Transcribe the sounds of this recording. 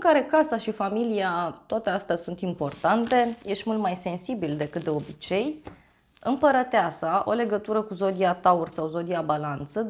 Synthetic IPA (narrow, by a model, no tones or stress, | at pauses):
ɨŋkaɾe̞kasaʃifamiliat̪oat̪əast̪asunt̪impo̞rt̪ant̪e̞je̞ʃt̪mult̪majse̞nsibild̪e̞kɨt̪̚d̪e̞o̞bit͡ʃe̞j | ɨ̰mpəɾət̪easaʔo̞̰le̞ɡət̪uɾəkuzo̞d̪iat̪aurʲsawzo̞d̪iabalant̪sə